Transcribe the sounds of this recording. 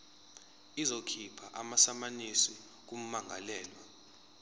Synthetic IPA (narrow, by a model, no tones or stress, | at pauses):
izokʰipʰaʔamasamanisi | k̬um̩maŋʱa̰lɛːlwa